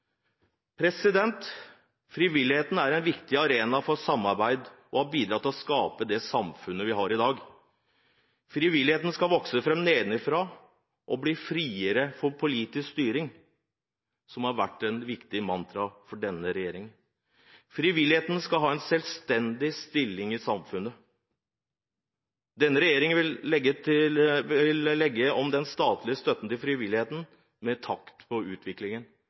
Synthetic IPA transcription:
pʰɾɛsɪd̪ɛnt̪ | fɾiʋɪlːɪheːt̪n̩æɾɛnʋɪkt̪ɪɑɾeːnɑfɔsɑmːɑɾbæɪd̪ʔɔhɑbiːd̪ɾɑt̪ːɪlɔskɑːpəd̪ɛsɑmfʉnːəʋɪɦɑɾɪd̪ɑːɡ | fɾiʋɪlːɪheːt̪n̩skɑlʋɔksəfɾɛmneːd̪nɪfɾɑ | ʔɔbliːfɾiːəɾəfɔɾpʰʊliːt̪ɪskst̪yːɾɪŋ | sɔmhɑɾʋæʈːɛnʋɪkt̪ɪmɑnt̪ʰɾɑfɔɖɛnːəɾɛjeːɾɪŋə | fɾɪʋɪlːɪheːt̪n̩skɑlɦɑːɛnsɛlst̪ɛnd̪ɪst̪ɪlːɪŋɪsɑmfʉnːə | d̪ɛnːəɾɛjeːɾɪŋəʋɪɛɡət̪ɪʋɪllɛɡːəɔmd̪ɛnst̪ɑːt̪lɪəst̪œt̪ːənt̪ɪlfɾɪʋɪlɪheːt̪n̩ | mɛt̪ʰɑkt̪pʰɔʉːt̪ʰʋɪklɪŋən

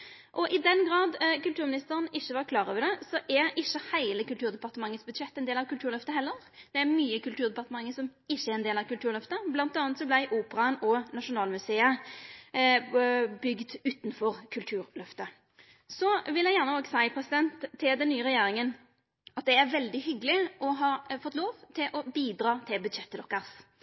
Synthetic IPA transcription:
ʔɔʔɪd̪ɛnɡʁɑːd̪kʉlt̪ʉːɾmɪnɪst̪əɾənɪçːəʋɑɾkʰlɑːɾɔːʋəd̪ɛsɔʔæɾɪçːəhæɪləkʉlt̪ʰʉːʁd̪ɛpɑʁt̪əmɑŋːət̪sbʉd̪ʂɛt̪ːɛnd̪eːlɑʋkʉlt̪ʉːɾlœft̪əɦɛlːəɾ | d̪̥ɛæɾmyːəkʉlt̪ʰʉːʁd̪ɛpɑʁt̪əmɑŋːəsɔmɪçːəæɾɛnd̪eːlɑʋkʉlt̪ʉːɾlœft̪əblɑnt̪ɑːnət̪sɔblæɪʔuːpəɾɑnɔnɑʂʊnɑːlmʉseːə | bʏɡd̪ʉːt̪n̩fɔʁkʰʉlt̪ʰʉːɾlœft̪ə | sɔʋɪlːæɪjæːʁnəoːɡsæɪpʰɾɛsɪd̪ɛnt̪ʰːɪld̪ɛnːyːəɾɛjeːɾɪŋən | ɑt̪̚d̪ɛæɾʋɛld̪ɪɦʏɡəlɪʔɔɦɑːfɔt̪ːloːʋt̪ʰɪlʔɔbiːd̪ɾɑːt̪ʰɪlbʉd̪ʃɛt̪ːəd̪ɔkːəʁs

